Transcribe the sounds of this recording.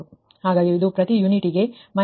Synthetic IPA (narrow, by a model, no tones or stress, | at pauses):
u | haːɡaːɡiid̪upɾɐt̪ijuniʈiɡe̞mɐ